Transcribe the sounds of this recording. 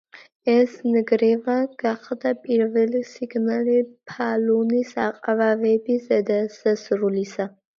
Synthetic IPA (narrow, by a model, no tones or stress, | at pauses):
ɛsnɡɾɛvaɡ̥aχʰd̪apʼiɾvɛlisiɡnalipʰalunisaqʼvavɛbisɛd̪asasɾulisa